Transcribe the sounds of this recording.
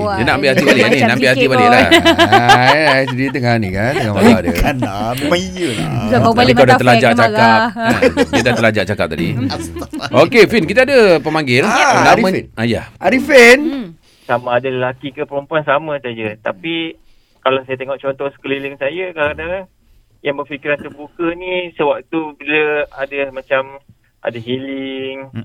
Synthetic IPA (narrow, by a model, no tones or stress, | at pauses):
dənaʔambɪʔhat̪ibalɪʔaninaambɪʔhɦat̪ibalɪklah | asdit̪əŋaanikant̪ŋamaadə̰anamemãŋijəababaikadat̪əlad͡ʒaʔt͡ʃakap̚adid̪at̪əlad͡ʒaʔt͡ʃakap̚t̪adḭ | okefinkit̪adapəmaŋɡɪlnaɾiəaja̰aɾifen | samãːdaləlakikəpəɾompuansamãsad͡ʒət̪api | kalawsajat̪eŋɔʔt͡ʃɔnt̪ɔhsə̥kəliliŋsajakaɾənã | jaŋbərfikiɾant̪ərbukənĩsəwak̚t̪ubiləadamãt͡ʃam | ʔa̰daɦilɪŋ